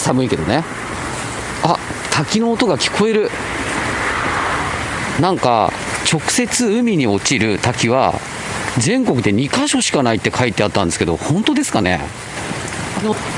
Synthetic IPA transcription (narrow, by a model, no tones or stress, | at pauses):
samɯike̞d̪one | a | t̪ʰakʲino̞ːt̪o̞ɡakʲi̥kʰo̞e̞ɾɯ̟ | nãŋka̰ | t͡ɕo̞kɯ̟̥se̞t͡sɨɯ̟mʲiɲ̟io̞t͡ɕiɾɯ̟t̪akʲiβ̞a̰ | zẽ̞ŋkokɯ̟d̪e̞ɲ̟ikaɕo̞ɕi̥kanait̪ːe̞kʰait̪ːeat̪ːãnd̪esɨ̥ke̞d̪o̞̰hõ̞nt̪o̞d̪e̞sɨ̥kane̞̰